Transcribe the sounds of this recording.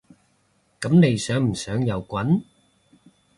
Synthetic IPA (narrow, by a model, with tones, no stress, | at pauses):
kɐ˨˥mne˨˧jsœː˨˥ŋm̩˨˩sœː˨˥ŋjɐ˨˧wkʷɐ˨˥n